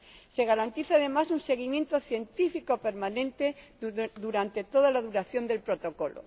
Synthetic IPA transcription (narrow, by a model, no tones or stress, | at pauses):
se̞ɣaɾant̪iθaðe̞masunse̞ɣ̞imjẽ̞nt̪o̞θje̞nt̪ifikope̞ɾmanẽ̞nt̪e̞ðuɾant̪e̞t̪o̞ðalaðuɾaθjo̞nd̪e̞lpɾo̞t̪o̞ko̞lo̰